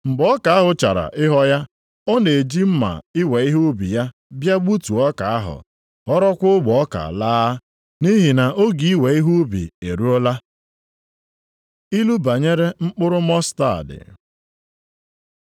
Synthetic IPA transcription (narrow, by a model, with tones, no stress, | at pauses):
ŋ͡m̩˨ɡ͡bɔ˦ka˨a˦ɦʊ˨t͡ʃa̰˨ɾa̰˨ʔɪ˦ɦɔ˦ja˦ | ɔ˦ne˨e˨d͡ʒi˦m̩˦ma̰˨ɪ˦we˨i˦ɦu˦bḭ˨ja˦ | bja˦ɡ͡bu˦tu˨ɔ˦ka˨a˦ɦʊ̰˨ | ɔ˦ɾɔ˦kʷʊ˦ɡ͡bɔ˨ɔ˦ka̰˨laː˦ | ni˦ɦi˨na˨ʔo˦ɡi˨i˦we˨i˦ɦu˦bḭ˨e˨ɾu˦ɔ˦la˦ | i˦lu˦ba˨ɲe˦ɾe˦ŋ͡m̩˦k͡pʊ˦ɾʊ˦mɔ˦sta̰˦˨dɪ̰˨